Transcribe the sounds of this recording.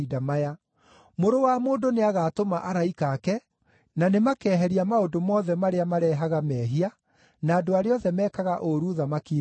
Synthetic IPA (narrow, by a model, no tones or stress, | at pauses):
idamaja | moɾowamoːndoneaɣaːtomaʔaɾaikaːkɛ | nanemakɛːɦɛɾiamaondomɔðɛmaɾeamaɾɛːɦaɣamɛːɦia | naːdoaɾeɔðɛmɛːkaɣaʔoɾuðamakiː